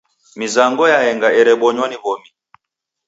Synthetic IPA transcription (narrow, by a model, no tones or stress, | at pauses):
mizaŋɡɔjaɛŋɡaɛɾɛɓɔɲwaniβɔmi